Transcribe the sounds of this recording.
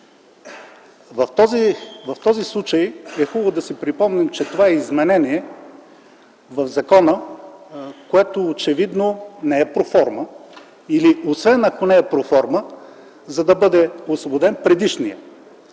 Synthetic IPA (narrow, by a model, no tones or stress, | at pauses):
vɐt̪ɔzivɐft̪ɔzislˠut͡ʃɐjɛxubblˠʊd̪ɐsipɾipɔmnɛmt͡ʃɛt̪ovaɛizmɛnɛniɛ | vɐvzɐkɔnə | koɛt̪oːt͡ʃɛvid̪nonɛɛpɾofɔɾmə | iliosvɛnɐkonɛɛpɾofɔɾmə | zɐd̪ɐbɤd̪ɛoslˠobod̪ɛnpɾɛd̪iʃnijə̰